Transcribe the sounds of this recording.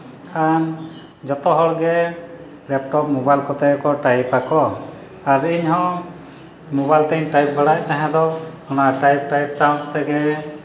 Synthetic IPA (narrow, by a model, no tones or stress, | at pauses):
an | d͡ʒɔt̪ɔɦɔɭɡɛ | lɛp̚ʈɔp̚mɔbajlkɔt̪ɛɡɛkɔʈajpakɔ | aɾiɲhɔ̃ | mobajlt̪ɛɲʈajp̚baɽaʔt̪aɦɛ̃d̪ɔ | ɔnaʈajp̚ʈajpt̪aɔ̃kɔt̪ɛɡɛ